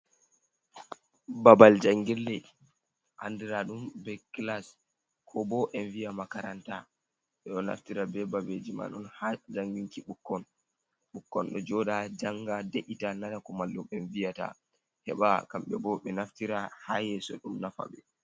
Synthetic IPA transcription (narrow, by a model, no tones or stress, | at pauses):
babald͡ʒaŋɡɛlːɛ | ʔandiɾaɗumbɛklas | kʰɔbɔʔɛnvijamakaɾanta | ɓɛɗɔna̰ftiɾabɛbabed͡ʒima̰ɗɔnhad͡ʒaŋɡiŋkiɓukːɔn | ɓukːɔnɗɔd͡ʒɔɗad͡ʒaŋɡadeʔitanatakɔmalːɔɓɛnvijata̰ | hɛ̰ɓakamɓɛbɔɓɛnaftiɾahajɛsɔɗumnafa̰ɓɛ